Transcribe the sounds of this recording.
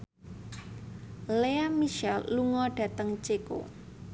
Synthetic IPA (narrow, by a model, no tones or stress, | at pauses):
leamiʃɛlːuŋɔɖ̥ä̤t̪əŋt͡ʃeko̰